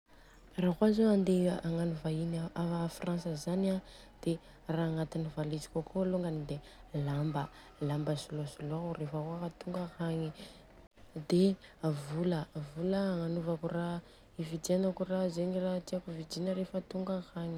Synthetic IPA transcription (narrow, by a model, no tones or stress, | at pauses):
rakwazoand̪eaŋanuvainaaafransəzana | d̪̥e | raːŋat̪inivalid͡ʒi̥kʲakʰoloŋɡanid̪e | lambə | lambəsuloasulourefaaat̪uŋɡahaŋi | d̪evuləvuləːŋanuvakura | ivid̪ianakurazeɲirat̪iakuvid͡ʒinəɾefət̪uŋɡahaŋi